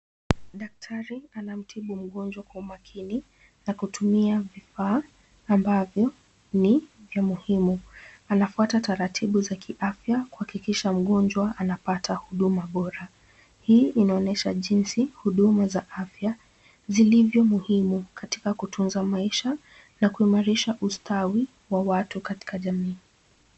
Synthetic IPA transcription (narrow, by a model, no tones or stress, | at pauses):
ɗak̚tʰaɾianam̩tʰiɓum̩ɠɔnd͡ʒwakwaumakʰini | nakutumiavifaː | mbavjɔ | nivjamuhimuanafuatataɾatʰiɓuzakʰiʔafjakuhakikiʃam̩ɠɔnd͡ʒwaʔanapatʰahuɗumaɓɔɾa | hiːinaɔnɛʃaʄinsihuɗumazaʔafja | zilivjɔmuhimukati̥kakutʰunzamaiʃa | nakuimaɾiʃaʔustʰawi | wawatukati̥kaʄamiː